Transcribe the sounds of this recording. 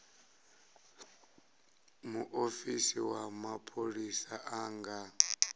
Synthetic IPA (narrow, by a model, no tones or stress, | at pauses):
muʔofisiwamapʰʼoɺisaʔaːŋɡa